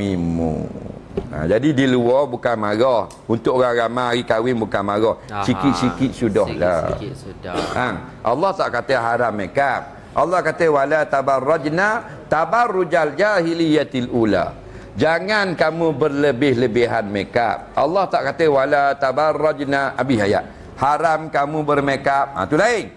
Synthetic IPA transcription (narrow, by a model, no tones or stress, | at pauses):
mimṵ | ã̰d͡ʒadidiluɔbukanmaɣɔh | unt̪ʊʔoɣaŋɣamaɣikawɪnbukanmaɣɔhsikɪt̪̚sikɪt̪̚sudɔhla̰ | ʔa | ʔa̰lːɔht̪aʔkat̪əɦaɾamːekap̚ | ʔalːɔhkat̪əwalat̪abarɔd͡ʒna | t̪abarːud͡ʒald͡ʒahilijat̪ilula̰ | d͡ʒaŋankamũbərləbɪhləbiɦanmeka̰p̚a̰lːɔht̪aʔkat̪əwalat̪abarɔd͡ʒnaʔabɪaja̰ʔ | haɾamkamũbərmekap̚a̰t̪ulaɪŋ